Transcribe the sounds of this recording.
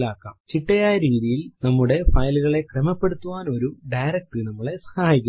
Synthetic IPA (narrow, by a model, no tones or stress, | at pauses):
laːkːa̰ːmt͡ɕiʈːɐjaːjɐɾiːðijilnɐmːuɽe̞fɐjluɣɐɭe̞krɐmɐpːe̞ɽut̪ːuʋaːno̞ɾuɖɐjɾɐk̚ʈɨnɐmːɐɭe̞sɐ̥haːjikʲː